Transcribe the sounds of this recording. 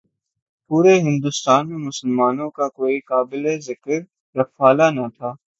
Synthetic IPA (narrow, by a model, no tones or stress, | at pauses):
puːɾeɦɪ̃nd̪ʊst̪aːnmẽmʊsəlmaːnõkakoːikaːbɪlezɪkəɾː | ɐfaːlanat̪ʰaː